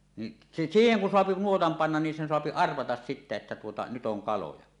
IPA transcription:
ni s siːheŋ kun soɑpi nuotɑm pɑnːɑn nin sen soɑpi ɑrʋɑtɑs sitːe etːæ tuotɑ nyt oŋ kɑlojɑ

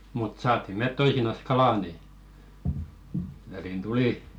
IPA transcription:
mut sɑːtˑi met toisinɑs kɑlɑˑ ni ʋæliˑn tuliˑ

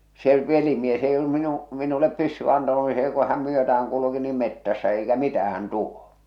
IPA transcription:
se ʋelimies eij olːum minu minulep pysːyʋ̆æ ɑntɑnu ni seː ku hæm myøtææŋ kuluki nim metːæsːæ eikæ mitæhæn tuo

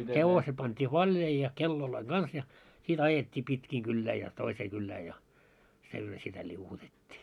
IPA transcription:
heʋoset̆ pɑntʲiː ʋɑlʲjɑi jɑ kelːoloiŋ ɡ̊ɑns jɑ sit ɑjetʲːiː pitkiː kylːæː jɑ toiseː kylːæː jɑ silːo sitæ lʲiuwutetʲːiː

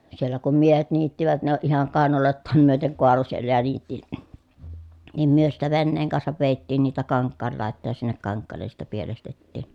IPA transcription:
sielːæ kum miehet niːtːiʋæt ne oʔ ʔihɑŋ kɑˑenɑloˑetːɑːm myøteŋ koɑlo sielːæ jɑ niːtːi nim myø sitːæ ʋenːeːŋ kɑnsɑʋ ʋeˑi̯tːiːn niːtæ kɑŋkːɑːl lɑˑetːɑˑj jɑ sinːek kɑŋkːɑːlːen̞ sitːe pielestetːiˑn

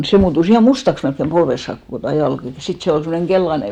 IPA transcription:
se muːtus ihɑˑ mustɑks melkːem polʋes sɑːk kokoˑ tuɑ jɑlk jɑ sit se ol semːoneŋ ɡ̊elːɑne

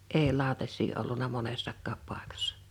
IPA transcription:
eː lɑˑo̝tɑsˑiː olːunɑ monesːɑkːɑːp pɑˑekɑsːɑ̥

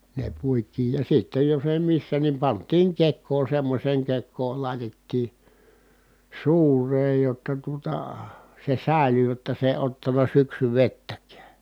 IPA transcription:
ne puitˑiːj jɑ sitːej jos eˑi misːæ ni pɑntˑiːŋ kekˑoː semːosʲeːŋ kekˑoːl lɑˑi̯tetːiː suːreːj jotːɑ tuotɑ se sæˑely jotːɑ se eˑĭ otːɑnɑ syksyʋetːækæː

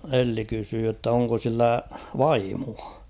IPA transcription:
elːi kysyː jotː oŋko silːæ ʋɑimuɑ

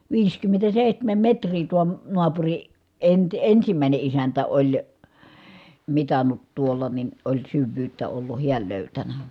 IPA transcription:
ʋiːskymːentæseˑihtæmæm metrˑiː tuo noɑpuri enti ensimæˑi̯ne isæntæ olʲ mitɑnːut tuolːɑ nin olʲ syʋːyːtːæ olːu hiæl løˑytænæ

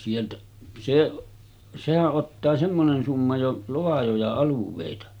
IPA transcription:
sieltæ seʔ sehæʔ ʔotːɑː semːonen sumːɑ jo loɑjojɑ ɑluʋˑeˑitɑ

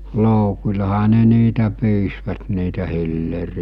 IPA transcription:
loˑukulʲɑhɑ ne niːtæ pyːsʋæt niːtæ hilːeriæ

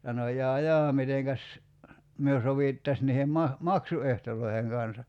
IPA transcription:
sɑno jɑː jɑː miteŋkæs myø soʋiˑtːɑs niːhem mɑ mɑksuehtolˑoiheŋ kɑnsɑ

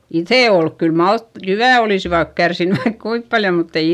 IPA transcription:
iθeˑ olk kyl mɑlt jyʋæˑ oliˑsiʋɑt kærsinːy ʋɑik kuip pɑljo mutː ei

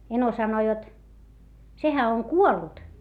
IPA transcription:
eno sɑno jot sehæ oŋ kuolːut

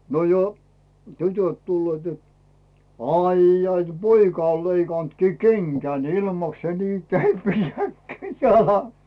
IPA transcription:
no jo tytøt tulːeːt jot ɑijːɑi t poikɑ on̞ leikɑˑntkiː keŋkæn ilmɑks se niː kepijæt kæi jɑlɑsːɑ̥

